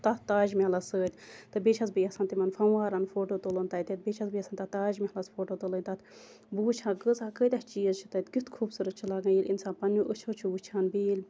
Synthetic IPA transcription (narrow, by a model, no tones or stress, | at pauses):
t̪ɐt̪t̪aːʒmiɦɐlɐsəːt̪ʲt̪ɨbeːt͡ʃʰɐzbijɐsɐnt̪imɐnfɐnwaːɾɐnfoːʈoːt̪olənt̪ɐt̪it̪̚beːt͡ʃʰɐzbijɐsanʲt̪ɐt̪aːʒmihɐlɐsfoːʈoːt̪olənʲt̪ɐt̪ | buːt͡ʃʰãːɡəzakət̪ʲɐht͡ʃiːəzt͡ʃʰi̥t̪ɐt̪ʲkit̪kʰuːbsuɾɐt̪̚t͡ʃʰilaːɡɐ̃jilʲinsaːnpɐnːuʔət͡ʃʰoːt͡ʃʰuwut͡ʃʰaːnbiilʲ